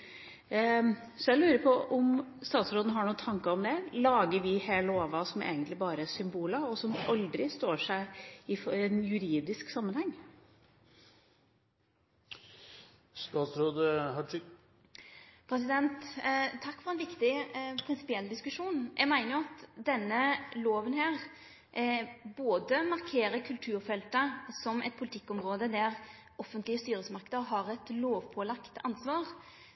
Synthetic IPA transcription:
sɔæɪlʉːɾəpʰɔʔɔmst̪ɑːt̪sɾoːd̪nəɦɑɳuːət̪ʰɑŋkəɾɔmd̪ɛlɑːɡəɾʋɪheːləoːʋɑsɔmḛːɡənt̪lɪbɑːɾəæsʏmbuːləɔsɔmʔɑld̪ɾɪst̪oːʂæɪɪfɛnjʉɾiːd̪ɪsksɑmːənhɛŋː | st̪ɑːt̪sɾoːd̪əhɑ | pʰɾɛsɪd̪ɛnt̪t̪ʰːɑkːfɔʁɛnʋɪkt̪ɪpʰɾɪnsɪ̥pɪɛlːd̪ɪskʉʂuːnjʔɛɡmæɪnəjʊɑt̪d̪ɛnːəloːʋənɦæːʁ | boːd̪əmɑʁkʰeːɾəkʰʉlt̪ʰʉːɾfɛlt̪əsɔmʔɛ̰t̪̚pʰʊlɪt̪ʰɪkːɔmʁoːd̪əd̪æʁ | ɔfənt̪lɪəst̪yːɾəsmɑʁkəd̪əʁɦɑʁɛt̪loːʋpʰɔːlɑkt̪ɑ̰nsʋɑːʁ

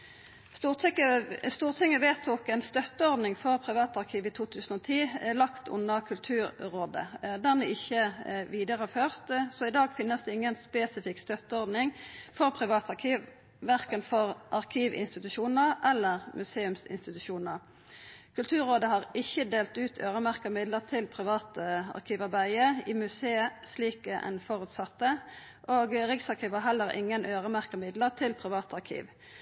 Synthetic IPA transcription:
st̪uːʁt̪ʰɪəst̪uːʁt̪ʰɪŋːəʋeːt̪ʰukɛnst̪œt̪ːəɔʁd̪nɪŋfɔʁpʰʁɪʋɑːt̪ɑʁkʰiːʋɪt̪ʰuːt̪ʰʉːsən̩ɔːt̪ʰiːlɑkt̪ʰʊ̰nəkʰʉlt̪ʰʉːɾɾoːd̪ə̰d̪æʁnɛɪçəʋiːd̪əʁəføːʁt̪sɔɪd̪ɑːɡfɪnːəsd̪ɛɪŋːənspeːsɪfɪkst̪œt̪əɔʁd̪nɪŋfɔʁpʰʁɪʋɑːt̪ɑʁkʰiːʋ | ʋæʁkənfɔʁʔɑʁkʰiːʋɪ̰nst̪ɪt̪ʉʃuːnəʔɛlːəʁmʔʉseːʉmsɪ̰nst̪ɪt̪ʉʃuːnəʁ | kʰʉlt̪ʰʉːʁoːd̪əhɑʁɪçːəd̪eːlt̪ʉːt̪ʰøːʁəmæʁkəʁmɪd̪ləʁt̪ʰɪlpʰʁɪʋɑːt̪əɑ̰ʁkʰiːʋɑʁbæɪəimʉseːəsliːkəʔɛ̰nfɔʁʉːt̪sɑt̪ːə | ʔoːɡʁɪksɑʁkʰiːʋəɦɛlːəʁʔɪ̰ŋːənʔøːʁəmæʁkəmɪd̪ləʁt̪ʰɪlpʰʁɪʋɑːt̪ɑʁkʰḭːʋ

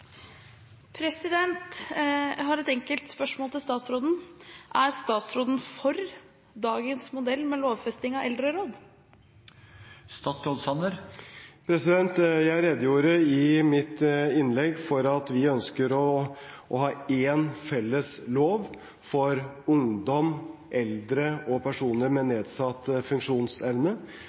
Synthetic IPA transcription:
pʰɾɛsɪd̪ɛnt̪ | ɦɑɾɛt̪ɛŋkəlt̪spœʂmoːlt̪ɪlst̪ɑːt̪sɾoːd̪n̩ʔæɾst̪ɑːt̪sɾoːd̪n̩fɔɾ | d̪ɑːɡənsmʊd̪ɛlːmɛloːʋfɛst̪ɪŋɑɛld̪ɾəɾoːd̪ | st̪ɑːt̪sɾoːd̪sɑnəɾpʰɾɛsɪd̪ɛnt̪jæɪɾɛd̪ːəjuːɾəɪmɪt̪ɪnlɛɡːfɔɾɑt̪ʋɪœnskəɾɔʔɔhɑːeːnfɛlːəsloːʋ | fɔɾ | ʊŋd̪ɔmʔɛld̪ɾəɔpʰæʂuːnəɾmɛneːd̪sɑt̪ːfʉŋkʂuːnsɛʋnə

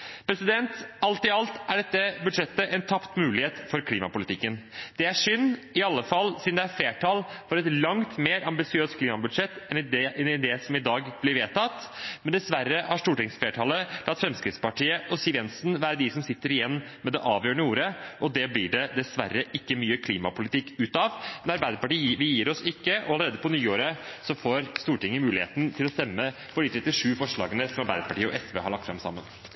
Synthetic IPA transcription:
pʰɾɛsɪd̪ɛnt̪ɑlt̪ɪɑlt̪æɖɛt̪ːəbʉd̪ʂɛt̪ːəʔɛnt̪ʰɑpt̪mʉːlɪheːt̪fɔɾkʰliːmɑpʊlɪt̪ɪkːənd̪̥ɛæʂʏnːɪɑlːəfɑlːsɪnd̪ɛæɾfleːʈʰɑːlfɔɾɛt̪lɑŋt̪meːɾɑmbɪsɪøːst̪kʰliːmɑbʉd̪ʂɛt̪ːɛnɛnɪd̪ɛsɔmɪd̪ɑːɡb̥lɪɾʋeːt̪ɑt̪mɛnd̪ɛsʋæɾːəhæʂʈ̪uːʈɪŋsfleːʈʰɑːləlɑt̪fɾɛmskɾɪt̪spɑʈiːəʔɔsiːʋjɛnsnʋæːɾəd̪ɪsɔmsɪt̪ːəɾɪjɛnː | mɛd̪ɛʔɑːʋjøːəɳəuːɾəʔɔd̪ɛblɪɖɛd̪ɛsʋæ̰ɾːəʔɪkːəmyːəkʰliːmɑpʰʊlɪt̪ʰɪkːʉːt̪ɑʋmɛnɑɾbæɪd̪əpɑʈiːʋɪjiːɾɔsɪkːəʔɔɑləɾeːd̪əpɔnyːoːɾəsɔfoːɾst̪uːʈɪŋːəmʉːlɪhḛːt̪n̩t̪ʰɪlɔst̪ɛmːə | fɔɖiːt̪ʰɾɛt̪ːɪʂʉːfɔʂɭɑ̰ːɡənəsɔmɑɾbæɪd̪əpɑʈiːəɔ̰ʔɛsʋḛhɑɭɑkt̪fɾɑmsɑ̰mːə̰n

